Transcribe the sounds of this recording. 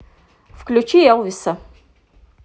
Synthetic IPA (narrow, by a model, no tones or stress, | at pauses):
fklʲut͡ʃijɛwvisɐ